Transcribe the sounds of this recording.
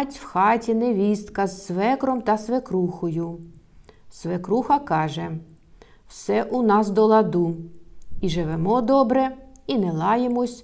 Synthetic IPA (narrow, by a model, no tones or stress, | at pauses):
tʲwxɑtʲinɛʋʲist̪kɐzsʋɛkɾɔmt̪ɐsʋekɾuxɔjʊ | sʋekɾuxɐkɑʒɛ | wsɛʔunɑsd̪ɔlˠɐd̪u | iʒɪʋɛmɔd̪ɔbɾɛinɛlˠɑjemɔsʲ